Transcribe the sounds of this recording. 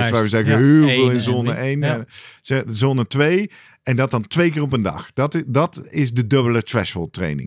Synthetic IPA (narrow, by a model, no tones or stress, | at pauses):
sʋɛjʋəzɛɣəɦelˠveːlˠɪnzoːnəʔejnsɛzonətʋej | ɛndɑt̚dɑntʋejk̬ɪːrɔp̬əndɑ̰xd̥ɑtdɑtɪzdədɵbələtɹɛ̰ʃhɔltrḛjnɪ̰̃ŋ